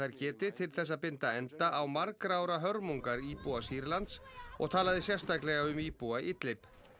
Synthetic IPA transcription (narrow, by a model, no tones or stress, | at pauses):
ajɾcɛːt̪ɪt̪ʰɪlθɛs̬ːaðpɪnt̪aɛnt̪aʔawmaɾkɾaːwɾaɦœɾmuŋkaɾiːpuasiɾlant̪sɔ̰ɣt̪ʰaːlaðɪsjɛr̥st̪aklɛɣaʏmiːpuaʔɪt̪lɪp